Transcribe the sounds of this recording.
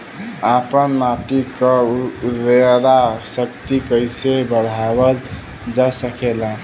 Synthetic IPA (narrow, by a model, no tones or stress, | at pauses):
apənmaʈikəɾedasəkt̪ikəjsebəɽ̤abəl | d͡ʒasəkelã